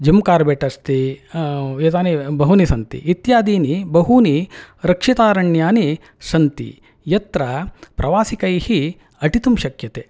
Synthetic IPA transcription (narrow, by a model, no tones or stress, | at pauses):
d͡ʒɐmkaːɾbeːʈɐst̪i | jet̪aːnibɐɦunisɐnt̪ḭːt̪jaːd̪iːnibɐɦuniɾɐkʂit̪aːɾɐɳjaːni | sɐnt̪ḭ | jɐt̪ɾɐpɾɐʋaːsikɐjhi | ɐʈit̪umʃɐkjɐt̪eː